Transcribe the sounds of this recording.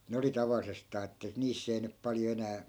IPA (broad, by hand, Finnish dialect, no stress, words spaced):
ne oli tɑʋɑlːisestɑː etːæ niːsː ei nyp pɑljo enæː